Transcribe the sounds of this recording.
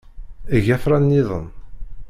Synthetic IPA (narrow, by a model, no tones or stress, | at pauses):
əʝæfɾˤanːiðˤən